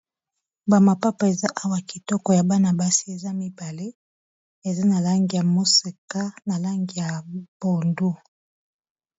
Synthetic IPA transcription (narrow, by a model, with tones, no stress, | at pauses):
ba˨ma˨pa˦pa˨e˨za˦ʔa˦wa˨ki˨tɔ˦kɔ˨ja˨ba˦na˨ba˦si˦e˨za˦mi˦ba˨le˦ | e˨za˦na˨la˦ŋɡi˨ja˨mo˦se˨ka˦na˨la˦ŋɡi˨ja˨b̥o˨ndu˦